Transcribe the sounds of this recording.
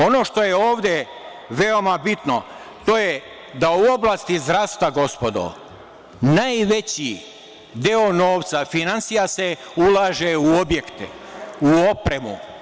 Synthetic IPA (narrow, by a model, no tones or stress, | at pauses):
o̞no̞ʃt̪o̞jeoːʋd̪e | ʋe̞o̞mabit̪no̞ | t̪o̞je | d̪auo̞blˠaːst̪izd̪ɾaːst̪aɡo̞spo̞d̪o̰ | najʋe̞t͡ɕi | d̪eo̞no̞ːʋt̪safinansijaseulˠaːʒeuo̞bjekt̪ḛ | uopɾe̞mṵ